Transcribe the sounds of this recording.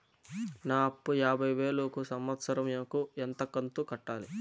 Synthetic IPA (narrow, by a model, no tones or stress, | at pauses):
naːɐpːujaːbʱɐjʋeːɭuːkusɐmʋɐt̪sɐɾɐmjɐkuent̪ɐkːɐnt̪ukɐʈːaːli